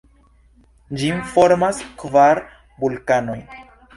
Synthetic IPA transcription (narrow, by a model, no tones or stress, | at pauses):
d͡ʒinfo̞ɾmaskvaɾ | bulkano̞j